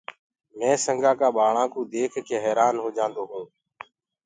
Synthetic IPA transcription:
mɛ̃ːsəŋɡaːkaːɓaːɭãːkõːd̪eːkʰkʰeːɦɛːɾaːnɦoːd͡ʒãːnd̪oːɦoː

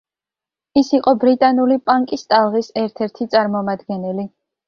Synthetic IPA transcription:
isiqʼɔbɾit̪ʼanulipʼaŋkʼist̪ʼalˠʁisɛɾt̪ʰɛɾt̪ʰit̪sʼaɾmɔmad̪ɡɛnɛli

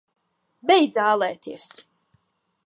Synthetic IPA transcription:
bʲɛjd̪zaːlˠɛːt̪iɛs

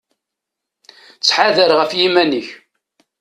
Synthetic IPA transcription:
t͡sːħaðəɾʁəfjimænəç

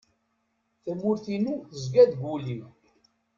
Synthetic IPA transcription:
θəmːʊɾθinuθəzɡæd̪ɡuli

